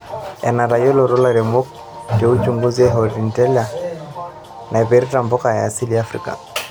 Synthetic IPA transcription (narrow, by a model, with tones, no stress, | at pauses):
ɛ̰˨na˨ɾa˨jɔ˦lɔ˨ɾɔ˦la˦ɾɛ˨mɔ˦k̚ | dɛ˨u˦t͡ʃuŋɡu˦zɛɦɔ˨ɾi˨ntɛ˦la˨ | na˨ɛ˨pɛ˨ɾɛ˦ta˨mbɔ˦ka˨ja̰ː˨si˦lia˦fɾḭ˦ka̰˨